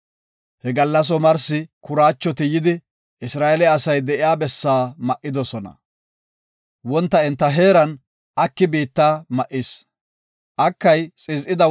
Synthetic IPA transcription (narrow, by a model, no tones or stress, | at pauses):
hɛɡɐlːɐs̬ɔmɐɾsɪkʊɾaːt͡ʃːɔt̪ɪjɪd̪ɪ | ʔɪsɾaːɛlɛɐsɐjd̪ɛʔɪjaːbɛsːaːmɐʔɪd̪ɔsɔnɐ̰ | wɔnt̪ːɐɛnt̪ːɐɦe̞ːɾɐn | ʔɐkːɪbiːt̪ːaːmɐʔɪs | ʔɐkːɐjt͡sʼɪzʔɪd̪ɐ